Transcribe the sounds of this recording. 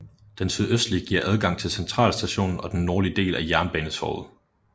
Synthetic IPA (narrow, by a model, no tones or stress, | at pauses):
d̥ensyðˠøsd̥liɡ̥iɐ̰ʔæð̞ˠɡ̥ɑ̈ŋ̰t͡sʰe̝lsent͡sʰʁɑ̰̈ːlsd̥æɕo̝̰ːnn̩ɒ̽d̥enːoːɐliəd̥e̝̰ːlæjæɐnb̥ɛ̰ːnəshɒ̰ːð̩ˠ